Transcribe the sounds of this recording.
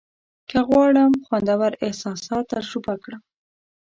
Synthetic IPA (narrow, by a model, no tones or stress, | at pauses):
kaɣwɑɽəmxwand̪awaɾɪhsɑsɑt̪ːaʒɾubakɽəm